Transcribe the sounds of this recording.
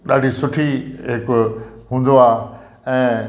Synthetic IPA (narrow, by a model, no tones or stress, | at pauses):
ɗaːɖʱisʊʈʰiɦɪkʊɦũːn̆d̪oaː | ɛ̃ː